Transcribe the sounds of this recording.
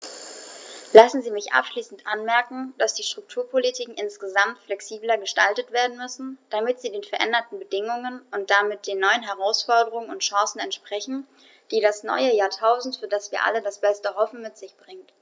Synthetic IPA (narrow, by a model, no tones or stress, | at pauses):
lasn̩ziːmɪçʔa̰pʃliːsn̩tʔa̰nmɛɐkŋ̩d̥asd̥iːʃtʁ̥ʊk̚tʰuːɐpʰolitʰiːkŋ̩ɪnsɡ̥əzamtflɛksiːblɐɡəʃtaltətv̥eːɐdn̩mʏsn̩d̥amɪtz̥iːdeːnfɛɐʔɛ̰ndɐtn̩bədɪŋʊŋənʊnt̚d̥amɪt̚d̥eːnːɔʏənɦɛʁaʊsfɔɐdəʁ̞ʊŋənʊ̰ntʃɑ̃ːsn̩ɛntʃpʁ̥ɛçn̩ | d̥iːɾasnɔ̰ʏəjaːɐtʰaʊzn̩tfyːɐdasv̥iːɐʔa̰lədasb̥ɛstəɦɔfn̩mɪtz̥ɪçb̥ʁɪŋt